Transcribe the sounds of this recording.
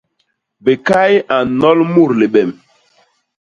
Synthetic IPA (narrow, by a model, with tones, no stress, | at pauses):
be˨ka˦ja˨nɔ˦lmu˦˨ɾle˨ɓɛ˨m